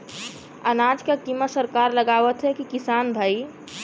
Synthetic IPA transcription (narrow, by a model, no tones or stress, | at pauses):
ənad͡ʒkekiməsəɾkaɾləɡaʋət̪ɦɛkikisanbʱaj